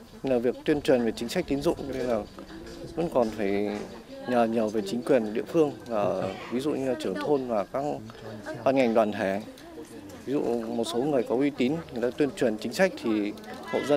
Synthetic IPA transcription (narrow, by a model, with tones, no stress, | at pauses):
ɲ˧laː˨˩vi˨˩ək̚t̪wi˧ənt͡ɕwi˨˩ənve˨˩t͡ɕï˨˦ŋ̟sa˦˥k̚t̪i˨˦nzʊ̰˧˨ŋ͡mnɨ˧laː˨˩və̰˧˥nkɔ˨˩nfaː˧˩j | ɲəː˨˩ɲəː˨˩ve˨˩t͡ɕï˨˦ŋ̟kwi˨˩ənɗḭ˧˨əfɨ˧əŋvaː˨˩vi˨˦zṵ˧˨ɲɨ˧laː˨˩t͡ɕɨ˧˩əŋt̪ʰo˧nvaː˨˩kaː˦˥k̚ | ɓaː˧nŋa˨˩jŋ̟ɗwaː˨˩nt̪ʰɛ˧˩ | vi˨˦zṵ˧˨mo˨˩t̚so˨˦ŋɨ˨˩əjkɔ˨˦ʔwi˧t̪i˨˦nŋ˨˩jt̪aː˧t̪wi˧ənt͡ɕwi˨˩ənt͡ɕï˨˦ŋ̟sa˦˥jk̟̚t̪ʰi˨˩ho̰˧˨zə˧